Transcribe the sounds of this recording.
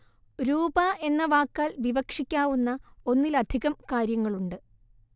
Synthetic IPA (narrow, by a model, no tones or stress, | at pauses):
ɾuːbae̞nːɐʋaːkːaːlʋiʋɐkʂikʲːaːʋunːɐo̞nːilɐd̪ʱiɣɐmkaːɾjɐŋːɐɭuɳɖɨ